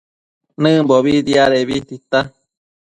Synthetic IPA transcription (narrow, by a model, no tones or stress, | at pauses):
nɨ̃mboβid̪iaɾeβit̪it̪a